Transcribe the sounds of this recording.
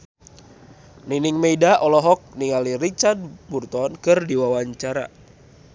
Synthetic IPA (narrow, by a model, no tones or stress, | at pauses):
niniŋmeidaʔɔlɔɦɔk̚niŋalirit͡ʃard̚burt̪ɔnkɨrdiwawaɲt͡ʃaɾa̰